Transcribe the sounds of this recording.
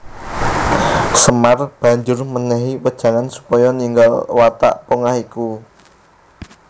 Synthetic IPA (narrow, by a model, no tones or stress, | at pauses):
səmarb̥a̤ɲd͡ʒʊrmənɛɦiwəd̥ʒ̥a̤ŋansu̥pɔjɔniŋɡalwat̪a̰ʔpoŋahiku